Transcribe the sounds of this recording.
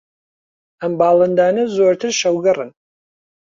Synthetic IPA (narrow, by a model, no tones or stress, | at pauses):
ambaːlɨndaːnɨzoːrtʰɨʃɐwɡɐrɨn